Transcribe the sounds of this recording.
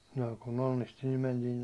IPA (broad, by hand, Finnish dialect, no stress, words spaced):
no kun onːisti nim mentiːn